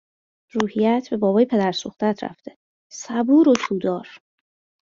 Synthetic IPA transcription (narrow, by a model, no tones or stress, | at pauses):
ɾuːhijæt̪ʰbe̞bɒːbɒːjepʰe̞d̪æɾsoχt̪æt̪ʰɾæ̰ft̪ʰe | sæbuːɾot̪ʰuːd̪ɒːɾ